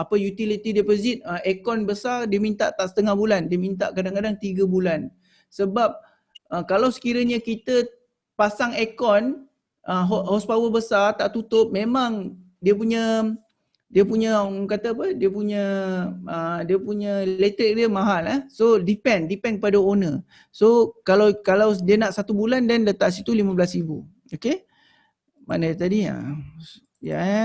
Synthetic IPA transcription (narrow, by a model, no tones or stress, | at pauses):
apəjut̪ilit̪idɛpɔzit̪̚əʔekɔnbəsardiəmint̪a̰ʔt̪aʔsə̥t̪əŋahbulandiəmint̪a̰ʔkadaŋkadaŋt̪iɡəbulan | səbap̚ | əkalawsə̥kiɾəɲəkit̪ə | pasaŋekɔn | ʔəɦɔhɔspawəbəsart̪aʔt̪ut̪ʊp̚mẽmãŋ | diəpuɲə̃ | diəpuɲəkat̪aːpədiəpuɲə | ədiəpuɲə̃let̪ədiəmaɦalahsodipɛndipɛnkəpadaonə | sokalawkalawdiənaʔsat̪ubulandɛndət̪aʔsit̪ulimablasibṵ | oke | ma̰nəjt̪adia̰ | ja̰